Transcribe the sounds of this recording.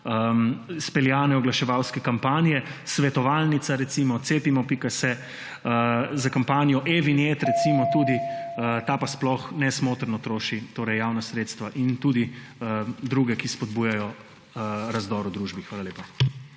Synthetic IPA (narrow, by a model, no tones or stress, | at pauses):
əspɛljaːnɛɔɡlaʃɛʋawskɛkampaːnijɛsʋɛt̪ɔʋalnit̪saɾɛt̪simɔt̪seːpimɔpikasɛ | əzakampaːnijɔʔeʋinjet̪ɾɛt̪simɔt̪uːd̪iət̪aːpasplɔxnɛsmoːt̪əɾnɔt̪ɾoːʃit̪oːɾɛjːawnasɾeːt̪st̪ʋaʔint̪ud̪iəd̪ɾuːɡɛkispɔd̪̚buːjajɔ | ɾazd̪ɔːɾɔd̪ɾuʒbixʋaːlaleːpa